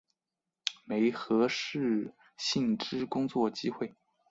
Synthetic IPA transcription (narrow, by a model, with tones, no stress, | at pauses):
me˧˥ɪxɤ˧˥ʂɻ̩˥˧ | ɕi˥˩nʈ͡ʂɻ̩˥kʊ˥ŋt͡swɔ˥˩t͡ɕi˥xwe˥˩ɪ